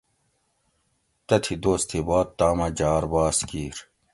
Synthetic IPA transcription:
t̪ɐt̪ʰid̪oːst̪ʰibaːt̪̚ːaːmɐd͡ʑaːɾbaːskiːɾ

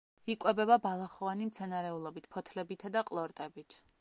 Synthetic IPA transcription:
ikʼwɛbɛbabalˠaχɔvanimt̪sʰɛnaɾɛulˠɔbit̪̚ʰpʰɔt̪ʰlɛbit̪ʰad̪aqʼlˠɔɾt̪ʼɛbit̪ʰ

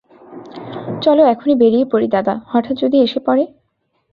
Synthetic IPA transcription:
t͡ɕɔloɛkʰonibeɾiepoɾid̪ad̪ahɔʈʰat̪d͡ʑod̪ieʃepɔɾe

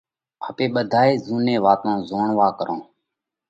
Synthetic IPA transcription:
əpeːɓəd̪ʱaːeːzuːnẽːʋaːt̪õːzoːɳʋaːkəɾʔõː

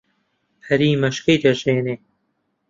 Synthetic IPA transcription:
hɐɾiːmɐʃkɐjd̪ɐʒeːneː

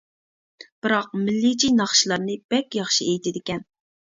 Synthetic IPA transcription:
b̥ɨɾɑq̚mɪlːɪt͡ʃʰinɑχʃilˠɑɾnɨb̥ɛkʲjɑχʃiejt̪ʰɪd̪ɪkʲɛn

